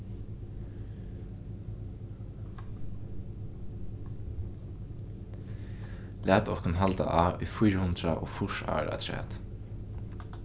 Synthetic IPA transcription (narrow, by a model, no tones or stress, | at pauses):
læːt̪ɔkʊnɦalt̪a̰ʔaːʊjfʊjɹhʊnd̪ɾaʔoːfʊʂa̰ːɹa̰t̪ʰɹɛ̰ːt̪